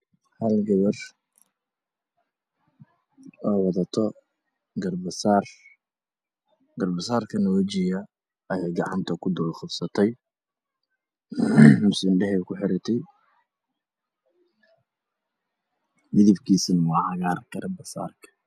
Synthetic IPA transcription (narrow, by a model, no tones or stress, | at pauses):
hɐlɡɐβɐr | ɔːwɑðɐt̪ʰɔ | ɡɐrbɐsaːr | ɡɐrbɐsaːrkʰɐnɐwɛt͡ʃɪjɐ | ɐjaːɡɑʕɑ̰nt̪ʰɐkʰʊd̪ʊlχʊbsɐt̪ʰɛj | mʊsɪnɖɛɦɛjkʰʊħɪɾɪt̪ʰɛj | mɪðɪbkʰiːsɪnwɑːħɑɣaːrɡ̥ɐrbɐsa̰ːrkʰɐ̥